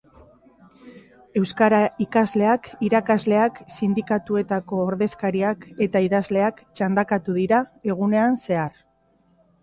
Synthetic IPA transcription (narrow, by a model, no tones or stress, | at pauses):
e̞wskaɾaikazle̞akiɾakazle̞aksind̪ikat̪ue̞t̪ako̞ːɾðe̞skaɾiake̞t̪aiðazle̞akt͡ʃand̪akat̪uðiɾae̞ɣ̞une̞anse̞ar